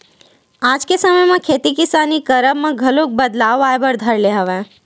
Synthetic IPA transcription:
aːd͡ʒkesəməjmãkʰeːt̪ikɪsaːnikɐɾəbmãɡʱɐlõk̚bɐd̪laːʋaːjbəɾd̪ʱɐɾleɦɐʋẽ

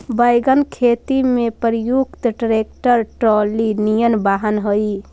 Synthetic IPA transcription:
bəjɡənkʰet̪imepəɾjukt̪ɖɾek̚ʈəɾʈɾolinijənbaɦənɦəi

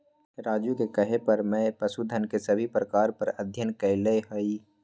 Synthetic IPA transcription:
ɾaːd͡ʒjukekəɦepɐɾmɛ̃pəsud̪ʱənkesɐbʱipɾəkaːɾpɐɾɐd̪ʱjənkɐɪleɦoi

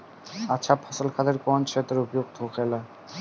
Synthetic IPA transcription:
at͡ɕʰapʰɔsolkʰad̪eɾkɔnt͡ɕʰet̪eɾubijok̚t̪okʰela

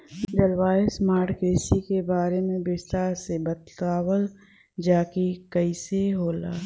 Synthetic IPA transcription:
d͡ʒəlwaːesmaːɾʈkeːsikebaːɾemẽbɪst̪aːɾsebət̪aːwəl | d͡ʒaːkikəiseɦoːla̰ː

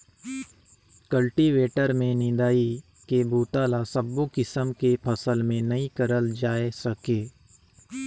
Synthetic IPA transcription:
kəlʈiʋeːʈəɾmẽnɪ̃d̪aːi | kebuːt̪aːlasəbːukɪsəmkepʰɐsəlmẽnɐĩkəɾəld͡ʒaːesəkeː

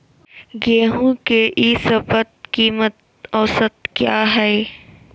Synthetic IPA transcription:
ɡeːɦũkeʔisəpət̪̚kiːmət̪̚ | ɔːsət̪kjaːɦɛː

